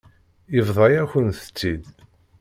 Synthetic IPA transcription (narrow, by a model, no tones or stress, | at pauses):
jəvðˤɑjæçənθə̥t͡sːid̪